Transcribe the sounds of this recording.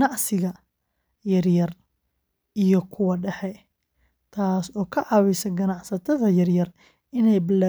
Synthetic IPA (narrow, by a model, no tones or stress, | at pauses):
nɑʕsɪɣɐ | jɐrjɐr | ijɔkʰʊwɐɖɐħɛ | t̪ʰaːsɔːkʰɐʕɑwɛsɐɡɐnɑʕsɐt̪ʰɐðɐjɐrjɐr | ɪnɛjbɪlːa